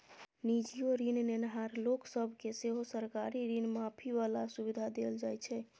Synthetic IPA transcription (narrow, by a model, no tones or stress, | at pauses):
nid͡ʒijoɾinnenɦaɾloksəbʱkeseɦosəɾkaɾiɾinmapʰiʋalasubid̪ʱad̪eld͡ʒajt͡ʃʰɛ